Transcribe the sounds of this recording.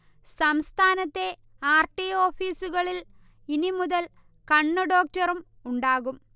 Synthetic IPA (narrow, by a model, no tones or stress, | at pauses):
sɐmst̪ʰaːnɐt̪ːe̞ | aːrʈio̞ːfiːsuɣɐɭil | inimuðɐl | kɐɳːɐɖo̞ːk̚tɐrum | uɳɖaːɣum